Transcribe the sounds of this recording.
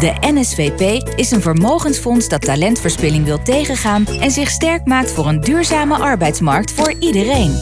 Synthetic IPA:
dəʔɛnɛsfejpej | ɪsənvəɹmowχənsfɔnsdɑtːalɛntfəɹspɪlɪŋʋɪlˠtejχənχaːnɛnzɪχstɛɹkmaːk̚tfʊːɹəndyːɹzaːməʔɑɹbɛjtsmɑɹk̚tfʊːɹidərejn

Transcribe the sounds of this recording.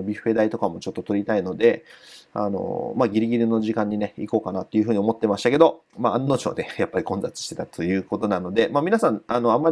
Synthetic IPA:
bʲiɸɯ̟e̞d̪ait̪o̞kamo̞t͡ɕo̞t̪ːot̪o̞ɾʲit̪aino̞d̪e̞a̰no̞̰maɡʲiɾʲiɡʲiɾino̞ʑikãɲ̟ːine̞iko̞ːkanat̪ːo̞iɯ̟ɸɯ̟ːɲ̟iomo̞t̪ːe̞maɕi̥t̪ake̞d̪o̞ | maanːo̞ːt͡ɕio̰nejapːaɾʲikõ̞nd͡zat͡sɨ̥ɕi̥t̪e̞t̪at̪ʰo̞jɯ̟ːko̞t̪o̞nano̞d̪e̞maːmʲinasãnano̞amːa

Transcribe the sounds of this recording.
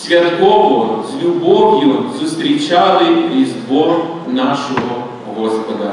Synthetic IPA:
sjʲad̪ɡɔʋɔzlʲubɔʋjɔzust̪ɾit͡ʃaːliizd̪ʋɔɾ | naʃɛɡɔ | ɡɔspɔd̪a

